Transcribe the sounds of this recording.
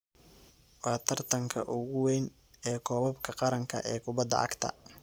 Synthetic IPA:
wɑːt̪ʰɐrt̪ʰɐŋkʰɐʔʊɣʊwɛjn | ɛːkʰɔːβɐbkʰɐqɑɾɐŋkʰɐ̰ʔɛːkʰʊbɐd̪ɐ̰ʔɐ̰ɡt̪ʰɐ̰

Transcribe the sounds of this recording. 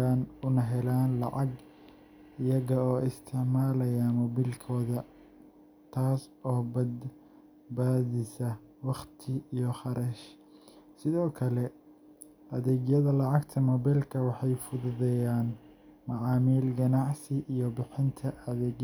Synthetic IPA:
aːnʊnɐɦɛlaːnlɑ̰ʕɑɡ | ɪjɐɣɐɔːɪst̪ʰɪʕmaːlɐjamɔbilkʰɔːðɐ | t̪ʰaːsɔːbɐd̪ | baːðɪsɐ | wɑqt̪ʰɪijɔχɑɾɐʃ | sɪðɔːkʰɐlɛ | ʔɐðɛːɡjɐðɐlɑʕɑɡt̪ʰɐmɔbɛlkʰɐwɑħɑjfʊðʊðɛjaːn | mɑʕɑːmiːlɡɐnɑʕsɪʔijɔbɪħɪnt̪ʰɐʔɐðɛːɡ

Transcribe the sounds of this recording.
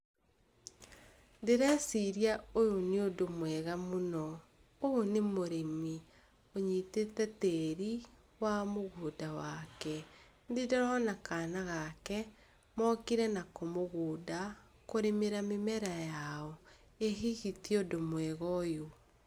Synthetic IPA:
ndeɾɛsiɾiaojoneodomwɛɣamonɔ | oonemoɾemi | oɲiːtetɛteɾi | wamoɣoːdawakɛ | ndideɾɔnakanaɣakɛ | mɔkiɾɛnakomoɣoːda | koɾemeɾamemɛɾajaɔ | eɦiɣitiodomwɛɣɔjo

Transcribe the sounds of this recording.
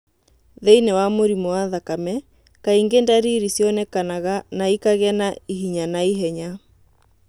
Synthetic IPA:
ðeinewamoɾimowaðakamɛ | kaiŋɡendaɾiɾisjɔnɛkanaɣanaikaɣɛnaiɦiɲanaiɦɛɲa

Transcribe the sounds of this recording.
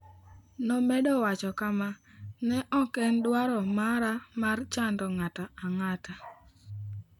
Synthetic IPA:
nɔmɛdɔwat͡ʃɔkamanɛʔɔkɛndwaɾɔmaɾamart͡ʃandɔŋataaŋata

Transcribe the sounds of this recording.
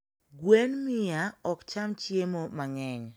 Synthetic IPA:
ɡwenmɪaɔkt͡ʃamt͡ʃjemomaɲɛɲ

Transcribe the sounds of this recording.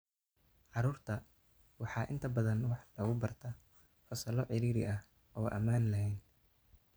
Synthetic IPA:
ʕɑɾuːrt̪ʰɐ | wɑħɑːʔɪnt̪ʰɐbɐðɐnwɑħlɐɣʊbɐrt̪ʰɐ | fɐsɐlɔʕɪɾiːɾɪ̰ʔɐh | ʔɔːʔɐ̰maːnlɐɦɛjn

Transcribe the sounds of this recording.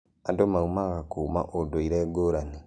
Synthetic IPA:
adomaumaɣakuːma̰ʔodoiɾɛɡoɾani

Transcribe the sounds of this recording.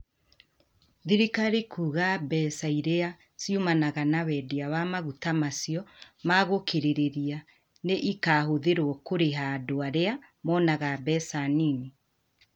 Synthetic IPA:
ðiɾikaɾekʰuɣabɛsaiɾea | sjumanaɣanawɛdiawamaɣutamasijɔmaɣokeɾeɾeɾia | neʔikaːhoðeɾwɔkoɾeɦadoaɾea | mɔnaɣabɛsanini

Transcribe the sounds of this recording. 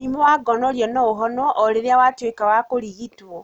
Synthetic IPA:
nimowaɡɔnɔɾjɔnɔoɦɔnɔʔɔɾeɾeawatwekawakoɾiɣitwɔ

